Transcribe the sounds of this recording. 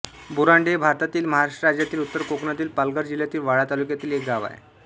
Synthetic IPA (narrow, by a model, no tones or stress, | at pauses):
buɾaɳɖebʱaɾt̪at̪iːlməɦaɾaʂʈəɾad͡ʑjat̪iːlut̪ːəɾkokɳat̪iːlpalɡəɾd͡ʑiljat̪iːlʋaɭat̪alukjat̪iːlek̚ɡaʋa̰j